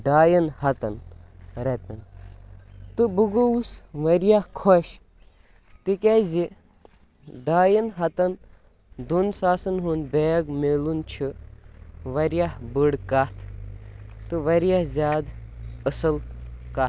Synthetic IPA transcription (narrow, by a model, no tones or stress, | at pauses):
ɖaːjɐnhɐt̪ɐnɾɐt̪ɐn | t̪ɨbuɡousʋɐɾjahkʰoʃ | t̪ikʲɐzi | ɖaːjɐnɦɐt̪ɐn | d̪unsaːsɐnɦunbeːɡmelunt͡ʃʰɨ | ʋɐɾjahbɨɽkat̪ʰ | t̪ɨʋɐɾjahzʲaːd̪əsɨlka